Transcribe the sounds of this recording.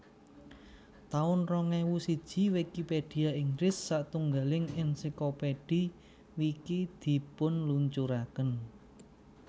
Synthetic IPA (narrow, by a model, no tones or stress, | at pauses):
t̪aʊnrɔŋɛwusid̥ʒ̥i̤wikipeɖ̥i̤aiŋɡlɪsːaʔt̪uŋɡalɪŋɛnsikopeɖ̥i | wikid̪̥i̤pʊnluɲt͡ʃuɾakən